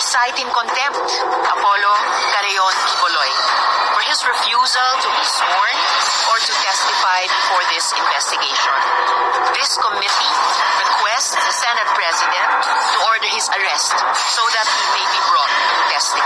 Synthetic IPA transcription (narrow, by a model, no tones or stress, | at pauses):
sajt̪ɪ̃ŋkɔ̃nt̪ɛ̃mp̚t̪ | ʔɐpɔlo | ɡɐɾɛjɔnʔikɔlɔj | fɔɹhɪsɹɪfjuzɐlt̪ubiswɔɹn | fɔɹt̪utɛst̪ɪfajd̪fɔɹðɪsɪ̃nvɛst̪ɪɡeɪʃɔ̰̃n | ðɪskɔmɪt̪i | ɹɪkwɛstðsɛnɛt̪̚pɹɛsɪd̪ɛ̃nt̪ː | uɔɹd̪əɹhɪsɐɹɛst̪ | soðɐt̪̚himebibɹɔt̪̚ | ɪ̃nvɛst̪ɪ